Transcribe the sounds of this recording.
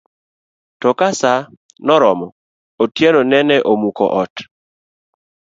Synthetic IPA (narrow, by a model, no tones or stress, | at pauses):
tɔkasa | nɔɾɔmɔ | otjenɔnɛnɛʔomukɔ̰ʔɔt